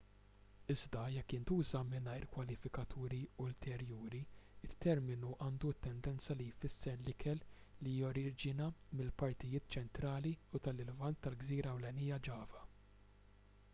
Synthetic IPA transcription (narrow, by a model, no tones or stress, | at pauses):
ɪzd̪ɐjɛkːɪnt̪uːzɐmɪnɐjɾkwɐlɪfɪkɐt̪ʰuːɾiʊlt̪ʰɛɾjuːɾiɪt̪ʰːɛɾmɪnuʔɐːnd̪ut̪ːɛnd̪ɛnt͡sɐlijfɪsːɛɾlɪkʰɛl | lijɔɾɪːd͡ʒɪnɐmɪlpɐɾt̪ɪjɪːt̪̚t͡ʃɛnt̪ɾɐːliut̪ɐlɪlvɐnt̪ːɐlɡziːɾɐːwlɛniːjːɐd͡ʒɐːvɐ